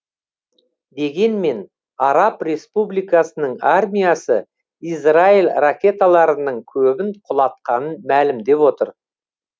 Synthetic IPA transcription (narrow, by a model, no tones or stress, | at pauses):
d̪e̞ɡʲe̞nme̞n | ɑɾɑpɾe̞spublijkɑsənəɴarmʲijasə | israilʲrakʲe̞t̪alˠɑɾənəɴkʲʰɵbɪɴqʰʊlˠɑt̪̚qɑnənmælɪmd̪e̞pwo̞t̪əɾ